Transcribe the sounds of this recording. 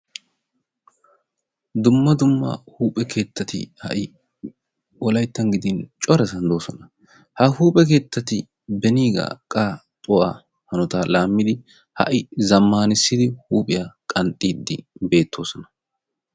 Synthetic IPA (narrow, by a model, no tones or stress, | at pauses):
d̪ʊmːɐd̪ʊmːɐ̰huːpʼɛkʰe̞ːt̪ːɐt̪ɪ̰hɐ̰ʔɪ | ɔlɐjt̪ːɐŋɡɪd̪ɪnt͡ʃʼɔɾɛsɐnd̪o̞ːsɔnɐ | hɐhuːpʼɛk̬e̞ːt̪ːɐt̪ɪ | bɛniːɡa̰ːkʼaː | t̪ʼɔʔaː | hɐnɔt̪aːlaːmːɪd̪ɪ | hɐ̰ʔɪzɐmːaːnɪsːɪd̪ɪhuːpʼɪjakʼɐnt̪ʼːiːd̪ːɪbe̞ːt̪ʰːo̞ːsɔnɐ̥